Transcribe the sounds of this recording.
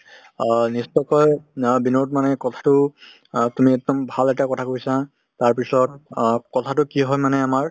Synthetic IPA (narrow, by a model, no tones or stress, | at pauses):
nistɔjkɔjbinotmanɛkɔtʰḁtʊ | tumiɛk̚dɔmbʱalɛtakɔtʰakojsa | taɹpisɔtkɔtʰatʊkiɦɔjmanɛamaɹ